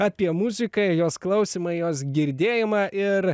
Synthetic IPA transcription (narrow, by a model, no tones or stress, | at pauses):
ɑːpʲiɛmuzʲɪkɐjoːsklˠɐʊsʲiːmɐɪjoːsɡʲɪɾʲd̪ʲeːjɪmɑːʔɪɾ